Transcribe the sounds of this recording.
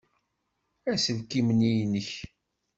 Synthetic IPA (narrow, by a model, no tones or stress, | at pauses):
æsəvkːimənijnəç